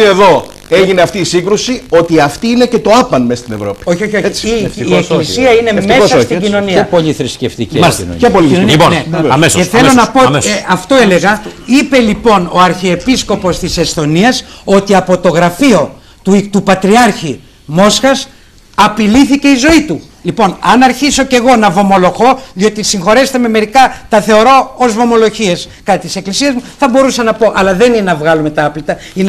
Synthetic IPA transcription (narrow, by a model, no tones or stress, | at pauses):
ieðo̞ | e̞ʝineɐft̪iːsiŋɡɾusio̞t̪iɐft̪iine̞ce̞t̪o̞ɐpɐnmest̪inevɾo̞pi̥oçioçot͡sieklisiɐine̞me̞ssɐst̪iino̞nipo̞liθɾisceft̪icen̰epolioneɐmeseθe̞lo̞nɐpo̞eɐft̪o̞e̞le̞ɣɐipe̞lipo̞no̞ɐɾçiepisko̞po̞st̪ise̞st̪o̞niɐso̞t̪iɐpo̞t̪o̞ɣɾɐfio̞ | t̪ut̪upɐt̪ɾiɐɾçi | mo̞sxɐs | ɐpiliθice̞izo̞it̪u | lipo̞nɐnɐɾçiso̞ce̞ɣo̞nɐvo̞mo̞lo̞ɣo̞ðio̞t̪isiŋxo̞ɾese̥t̪eme̞me̞ɾikɐt̪ɐθe̞o̞ɾo̞ozvo̞mo̞lo̞çie̞s | kɐt̪it̪ise̞klisiɐzmuθɐbo̞ɾusɐnɐpo̞ʔɐlɐðe̞ninnɐvɣɐlume̞t̪ɐɐplit̪ɐ | in